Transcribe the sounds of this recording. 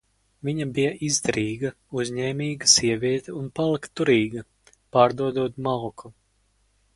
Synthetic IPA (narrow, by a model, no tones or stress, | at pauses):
viɲabijɐʔizd̪aɾiːɡɐ | uzʲɲɛːmʲiːɡɐsiɛvʲiɛt̪ɛunpalˠikt̪ːuɾiːɡɐ | paːɾd̪uɔd̪uɔt̪malˠkʰu